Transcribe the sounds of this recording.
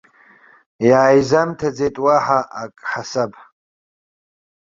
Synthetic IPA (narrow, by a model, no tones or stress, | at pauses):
jaːjzamtʰad͡zetʼwaħaʔakʼħasabʰ